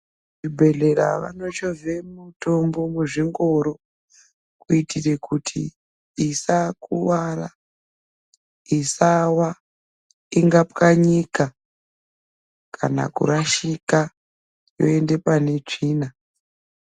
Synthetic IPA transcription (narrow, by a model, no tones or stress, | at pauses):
ibʱe̞ɮe̞ɾa̰ʋa̰no̞t͡ʃovemuto̞mbo̞muʐiŋɡo̞ɾo̞ | kuitʰire̞kʰutʰiː | sakuwara̰ | isawa | iŋɡapkaɲika | kʰa̰na̰kṵɾaʃika | jo̞̰e̞nde̞pane̞t͡ʂiːna